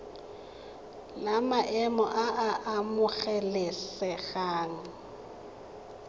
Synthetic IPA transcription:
lamaʔɛmɔʔaʔaʔamʊɣɛlɪsɛɣaːŋ̩

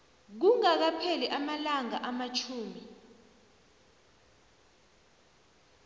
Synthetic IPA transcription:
k̬uŋak̬apʰɛliʔamalaŋaʔamat͡ʃʰuːmi

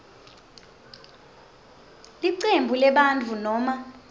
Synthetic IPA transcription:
liǀembʱulɛɓantʰunɔma

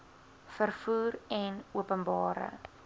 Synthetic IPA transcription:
fərfuːrɛnuəpənbɑːɾə̰

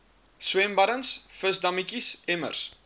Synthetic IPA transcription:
swɛmbɐɾənsfəsdɐmikisemə̰rs

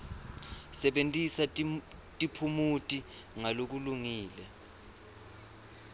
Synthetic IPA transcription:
sɛɓentʼisatʼipʰumutʼi | ŋalok̬uluŋiːlɛ

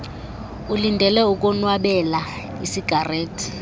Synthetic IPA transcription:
ulindʱɛlɛuk̬ʼɔnwaɓɛla | isiɡ̥ʱareːtʰi̥

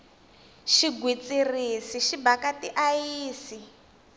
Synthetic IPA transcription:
ʃiɡwit͡sʼirisiʃibakatiʔajiːsi

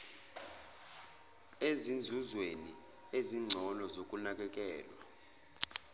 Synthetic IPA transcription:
ezind͡zʱuzweni | eziŋ͡ǀʱɔlɔzokʼunak̬ʼɛk̬ʼɛːlwa̰

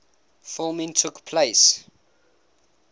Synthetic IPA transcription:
fɔmĩntʰukpʰleɪs

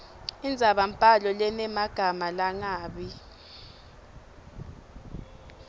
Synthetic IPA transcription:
ind͡zʱaɓam̩pʼalɔlɛnɛmaɡ̥ʱamalaŋaːɓi

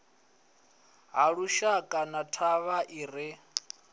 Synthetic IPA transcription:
ɦaɺuʃakʼanatʰaβaʔiːɾɪ

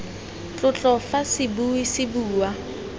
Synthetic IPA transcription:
t͡ɬʼʊt͡ɬʼɔfasɪbuisɪbuːwa

